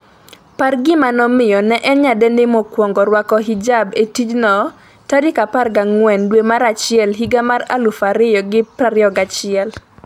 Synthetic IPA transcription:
parɡɪmanɔmɪjɔnɛʔɛɲadɛnɪmɔkwɔŋɡɔɾwakɔɦid͡ʒabetid͡ʒnɔ | tadɪkaparɡaŋwɛndwemaɾat͡ʃɪɛlɦiɡamara̰lufaɾɪjɔɡɪpɾaɾjɔɡat͡ʃɪɛl

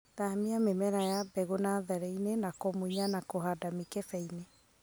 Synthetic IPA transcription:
ðaamiamemɛɾajabɛɣonaðɛɾɛinenakomoiɲanakoɦadamikefɛine

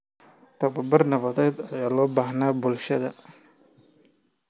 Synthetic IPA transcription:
t̪ɐbɐbɐrnɐβɐd̪ɛːd̪ɐjaːlɔːbaːɦnaːbʊlʃɐðɐ

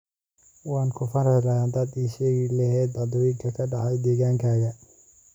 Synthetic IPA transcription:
wɑːnkʰʊfɐɾɐlɐaːnd̪ɐːd̪iːʃɛːɣɪlɐɦɛːd̪ɑd̪ɔːjɪŋkʰɐkʰɐɖɑʕɑjd̪ɛːɣaːŋkʰaːɣɐ

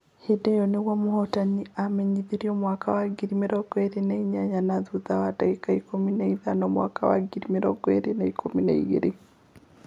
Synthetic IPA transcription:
hedejɔneɣwamohɔtaniamɛɲiðiɾiɔmwakawaɡiɾimeɾɔɡwɛɾenaiɲaɲanaðuðawadaikaikominaiðanɔmwa̰kawa̰ɡiɾimeɾɔɡwɛ̰ɾenaikʰominaḭɣḛɾe

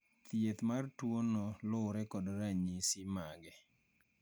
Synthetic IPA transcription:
t̪jet̪martwonɔlʊɾɛkɔdɾaɲisɪmaɡɛ

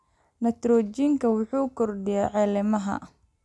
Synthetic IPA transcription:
nɐt̪rɔːt͡ʃiŋkʰɐwʊħuːkʰɔrɖɪjaʕɛlɪmɐɦɐ̰

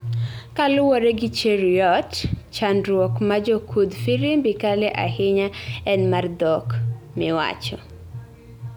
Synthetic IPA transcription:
kalʊwɔɾɛɡɪt͡ʃeɾiɔtt͡ʃandɾwɔkmad͡ʒokʰud̪fiɾimbɪkalɛʔa̰hɪɲaɛnmard̪ɔk | mɪwa̰t͡ʃɔ

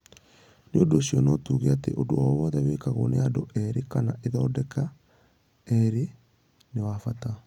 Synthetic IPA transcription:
neondoːɕiɔnotuːɣeatḛʔodowawɔðɛweːkaɣo̰neadoʔɛɾekanaʔeðɔːdɛka | ɛɾe | newafata

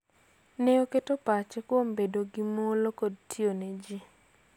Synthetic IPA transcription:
neoketopat͡ʃɛkwombedoɡɪmolokodtʰioned͡ʒi

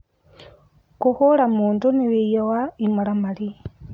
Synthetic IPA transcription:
kuxulamuːnduniβijowaimulamali

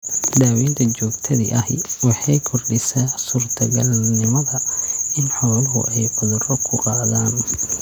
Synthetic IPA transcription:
ɖ̪aːwint̪ʰɐt͡ʃɔːɡt̪ʰɐðḭʔɐɦwɑħɑjkʰɔrɖɪsɐsuːrt̪ʰɐɡɐlnɪmɐðɐɪnħɔːwlɐɦʊ̰ʔɛjqʊðʊrɔkʰʊrɑːðaːn

